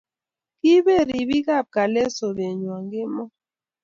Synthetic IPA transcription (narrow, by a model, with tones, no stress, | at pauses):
ki˦be˦˨ɾi˨bi˦ɡa˦˨p̚ka˨lɛ˦so˨be˨ɲwa˨ŋɡɪ˦mɔ˦